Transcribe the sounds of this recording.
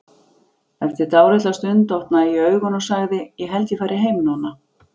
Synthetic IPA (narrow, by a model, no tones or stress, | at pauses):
ɛft̪ɪɾt̪aːwɾɛt̪last̪ʏnt̪owht̪naiœːɥɣɔnɔsaɣðɪjɛɦɛlt̪jɪfaːjɾɪɦeːjmʏnɔnːa